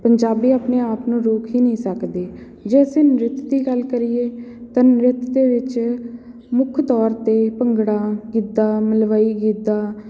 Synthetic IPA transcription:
pəɲd͡ʒaːbiːaːpneːaːpnũːɾoːkʰiːnəĩːsəkd̪eː | d͡ʒɛːsẽːnɾɪt̪d̪iːɡəlkəɾiːeːt̪ãːnɾɪt̪d̪eːʋɪt͡ʃ | mʊkʰt̪ɔːɾt̪eːpəŋɡɽaːɡid̪aːməlʋaːiːɡiːd̪aː

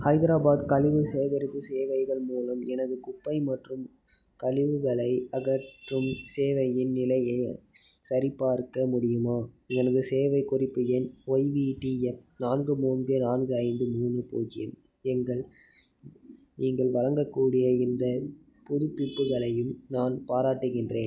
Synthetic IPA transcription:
hɐɪðɪɾaːbaːd̪kɐlɪʋɯseːʋɐɾɪtːɯseːʋɐɪɣɐɭmuːlɐmɛnɐðɯkʊpːɐɪmɐʈrɯm | kɐlɪʋɯɣɐɭɐɪɐɣɐʈrɯmseːʋɐjɪnnɪlɐjɐɪsɐɾɪpːaːɾkːɐmʊɽɪjɯmaː | ɛnɐðɯseːʋɐɪkʊrɪpːɯjɛnɔɪʋiːʈiɛfnaːnɡɯmuːnɡɯnaːnɡɯɐɪnd̪ɯmuːnɯpo̰ːd͡ʒɪjɐm | ɛŋɡɐɭ | niːŋɡɐɭʋɐɻɐŋɡɐkːuːɽɪjɐɪnd̪ɐ | pʊðʊpːɪpːɯɣɐɭɐjɯmnaːnpaːɾaːʈːɯɣɪndreːn

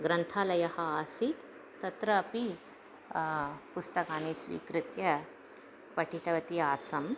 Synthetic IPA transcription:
ɡɾɐnt̪ʰalɐjɐhɐaːsit̪ː | ɐt̪ɾɐːpi | pust̪ɐkaːniːsʋḭːkɾɨt̪jɐ | pɐʈʰit̪ɐʋɐt̪iaːsɐm

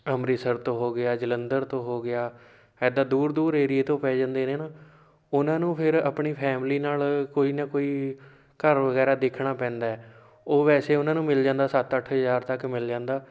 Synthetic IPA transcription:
əmɾiːsəɾt̪õːɦoːɡɪaːd͡ʒələnd̪əɾt̪õːɦoːɡɪaː | ɛːd̪aːd̪uːɾd̪uːɾeːɾieːt̪õːpɛːd͡ʒãːnd̪eːneːnaː | ʊnãːnũːpʰɪɾa̰pɳiːpʰɛːmliːnaːlkoːiːnãːkoːiː | kəɾʋəɡɛːɾaːd̪eːkʰɳaːpɛ̃ːnd̪aːɛː | oːʋɛːseːʊnãːnũːmɪld͡ʒãːnd̪aːsət̪əʈʰɦəzaːɾt̪əkmɪld͡ʒãːnd̪aː

